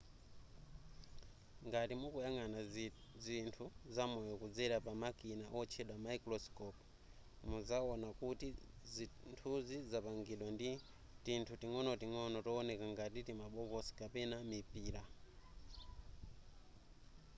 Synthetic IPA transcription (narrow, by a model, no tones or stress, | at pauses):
ŋɡatimukujaŋanazintʰuzamɔjɔkud͡zɛɾapamakinaʔɔt͡ʃʰɛɗwamaikɾɔskɔp | muzaɔnakuti | ntʰuzizapaŋɡiɗwandi | tintʰutiŋɔnɔtiŋɔnɔtɔːnɛkaŋɡatitimaɓɔkɔsi̥kapɛnamipiːɾa